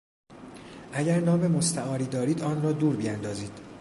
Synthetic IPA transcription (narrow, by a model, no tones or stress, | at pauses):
ʔæɟæɾnɒːme̞mo̞st̪æʔɒːɾiːd̪ɒːɾiːd̪ɒːnrɒːd̪uːɾbiænd̪ɒːziːd̪̥